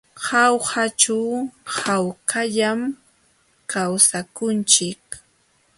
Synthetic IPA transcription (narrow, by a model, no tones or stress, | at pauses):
hawhat͡ʃawhawkaʎam | kawsakʊnt͡ʃɪk